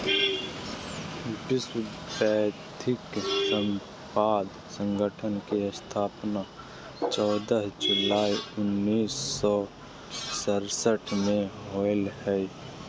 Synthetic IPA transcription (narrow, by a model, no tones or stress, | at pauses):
ʈɪsbɛːt̪ʰɪksə̃m | paːd̪ | sə̃ŋɡʱəʈʰənkeəst̪ʰaːpna | t͡ʃɔːd̪əɦd͡ʒʊlaːiʊnːiːsːɔ | səɾsəʈʰmẽɦɔːɪlhɛː